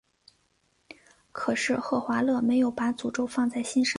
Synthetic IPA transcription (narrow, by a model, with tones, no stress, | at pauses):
kʰɤ˨˩ʂɻ̩˥˧xɤ˥˩xwa˧˥lɤ˥˩me˧˥ɪjo˨˩ʊpa˧˥t͡su˨˩ʈ͡ʂo˥ʊfɑ˥˧ŋt͡sa˥˩ɪɕi˥nʂə˧˥˦